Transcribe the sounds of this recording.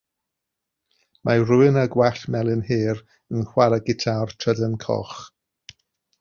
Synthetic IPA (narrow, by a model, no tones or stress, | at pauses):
maruɪnaɡwaɬmɛlˠɪnhiːr | ənχwalaɡɪtʰartʰrədənkʰɔ̰χ